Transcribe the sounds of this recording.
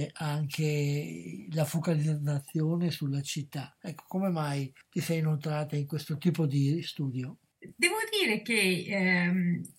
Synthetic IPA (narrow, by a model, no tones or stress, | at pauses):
ʔaŋkʰe | lafokalid̪zat̪sːjoːnesulːat͡ʃit̪ːaɛkːo̥komemajt̪isɛjnolt̪ɾaːt̪aiŋkwest̪ot̪iːpod̪ist̪uːd̪jo | d̪ɛːvod̪iːɾek̟e | m